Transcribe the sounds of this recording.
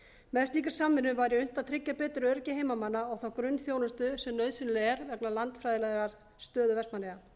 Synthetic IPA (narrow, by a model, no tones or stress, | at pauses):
mɛðst̪iːkɪɾ̥saːmːɪnːʏmvaɾjɪʏn̥t̪at̪ʰɾɪcːapɛːt̪ɾʏœɾcɪɦejmamanːaawθawkɾʏnːθjoːwnʏst̪ʏsɛmnœɥðsɪnlɛɛɾvɛknalant̪fɾajðɪlaðɾaɾ̥ | st̪œːðʏvɛst̪manlɛɣa